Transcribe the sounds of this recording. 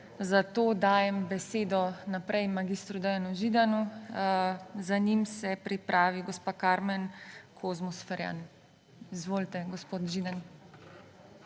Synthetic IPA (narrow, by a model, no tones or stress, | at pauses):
zat̪oːd̪aːjɛmbɛseːd̪ɔnapɾɛjmaɡist̪ɾud̪ɛjanuʒiːd̪anu | zanimsɛpɾipɾʔaːʋiɡɔspaːkaːɾmɛnkʰozmɔsfɛɾja̰n | izʋoːlt̪ɛɡɔspoːt̪ʒid̪an